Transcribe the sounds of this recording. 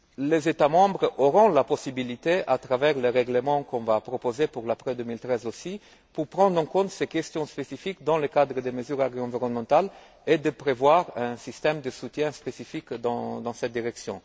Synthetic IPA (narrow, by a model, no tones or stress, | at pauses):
lezet̪amɑ̃bʁoʁɔ̃lapɔsibilit̪eʔat̪ʁavɛʁleʁɛɡlemɑ̃kɔ̃vapʁɔpozepuʁlapχɛd̪ømilt̪ʁɛzosi | puʁpʁɑ̃nd̪ʁɑ̃kɔ̃t̪sekɛst̪jɔ̃spesifikd̪ɑ̃ləkad̪ʁəd̪eməzyʁaʁɡ̪ɑ̃viʁɔnmɑ̃t̪al | ed̪əpʁevwaʁɛ̃sist̪ɛmd̪əsut̪jɛ̃spesifikd̪ɑ̃d̪ɑ̃sɛt̪̚d̪iʁɛksjɔ̰̃